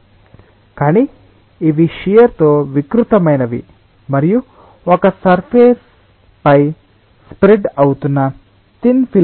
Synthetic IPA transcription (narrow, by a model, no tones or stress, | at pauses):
kaːniː | ʋiʃijɐɾt̪oːʋikɾut̪ɐmɐjnɐʋḭ | mɐɾiju | ɔkɐsɐɾpʰeːs | pɐj | spɾeɖɐwt̪unːɐ | t̪inpʰi